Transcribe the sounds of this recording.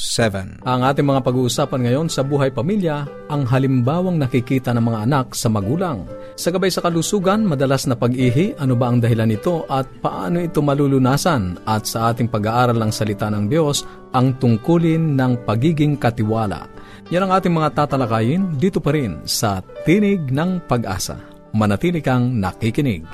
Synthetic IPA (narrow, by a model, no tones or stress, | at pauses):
sɛvɛ̰nʔɐŋʔaːt̪ɪŋmɐŋapɐɡuːʔʊsaːpɐnŋɐjo̞nsɐbuːɦɐjpɐmiljɐ | ʔɐŋɦɐlɪmbaːwɐŋnɐkɪkiːt̪ɐnɐŋmɐŋaʔɐnak̚sɐmɐɡuːlɐŋ | sɐɡɐbajsɐkɐlusuːɡɐnmɐd̪ɐlasnɐpɐɡʔiːɦɪʔɐnobaʔɐŋd̪ɐɦɪlanɪt̪o̞ʔɐt̪̚pɐʔa̰ːnoʔɪt̪o̞mɐlulʊnaːsɐnʔɐt̪̚sɐʔaːt̪̬ɪŋpɐɡaːʔaːɾɐlnɐŋsɐlɪt̪anɐŋd̪jo̞s | ʔɐŋt̪ʊŋkuːlɪnːɐŋpɐɡiːɡɪŋkɐt̪ɪwaːlɐ̰a̰ | janɐŋʔaːt̪ɪŋmɐŋat̪aːt̪ɐlɐkaːjɪnd̪iːt̪opɐɾɪnsɐt̪iːnɪɡ̚nɐŋpɐɡʔa̰ːsɐ̰ | mɐnɐt̪iːlɪkɐŋnɐ̰kikɪnɪ̰ɡ̚